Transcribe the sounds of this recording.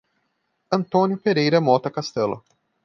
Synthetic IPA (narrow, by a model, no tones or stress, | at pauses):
ɐ̃nt̪õnjʊpeɾejɾɐmɔt̪ɐkast̪ɛlʊ̰